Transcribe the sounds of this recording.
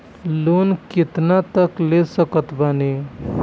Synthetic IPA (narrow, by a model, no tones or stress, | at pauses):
lonkit̪nat̪əklesəkət̪bane